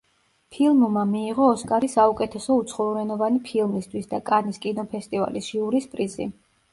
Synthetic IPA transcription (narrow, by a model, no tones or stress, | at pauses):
pʰilˠmmamiːʁɔːskʼaɾisaukʼɛt̪ʰɛsɔut̪sʰχɔluɾɛnɔvanipʰilˠmist̪ʰwisd̪akʼaniskʼinɔpʰɛst̪ʼiva̰lisʒiuɾispʼɾizḭ